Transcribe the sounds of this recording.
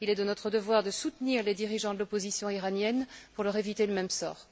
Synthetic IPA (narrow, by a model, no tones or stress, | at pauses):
ilɛd̪ənɔt̪χəd̪əvwaʁd̪əsut̪niʁled̪iʁiʒɑ̃d̪əlɔpozisjɔ̃iʁanjɛnpuʁlœʁevit̪eləmɛmsɔ̰ːʁ